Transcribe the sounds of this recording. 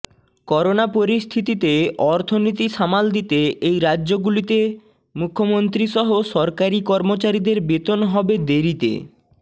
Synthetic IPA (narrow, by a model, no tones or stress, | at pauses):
kɔɾonapoɾist̪ʰit̪it̪eɔɾt̪ʰonit̪iʃamald̪it̪eejɾadːʑoɡulit̪e | mukʰːomont̪ɾiʃɔɦoʃɔɾkaɾikɔɾmot͡ɕaɾid̪eɾbet̪onɦɔbed̪eɾit̪ḛ